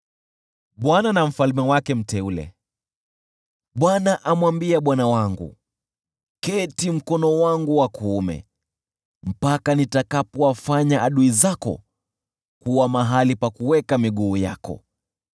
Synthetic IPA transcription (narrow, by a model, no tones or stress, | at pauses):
ɓwananam̩falmɛwakɛm̩tɛulɛ̰ | ɓwanaʔamwambiaɓwanawaŋɡṵ | kɛtim̩kɔnɔwaŋɡuwakuːmɛ̰ | m̩pakanitakapɔwafaɲaʔaɗuizakɔ̰ | kuwamaɦalipakuwɛkamiɠuːja̰kɔ̰